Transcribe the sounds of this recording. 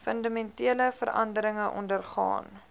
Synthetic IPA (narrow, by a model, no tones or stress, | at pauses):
fəndɑmɛntiələfə̰ɾɐ̰ndəɾəŋəʔɔ̰ndərχɑ̰ːn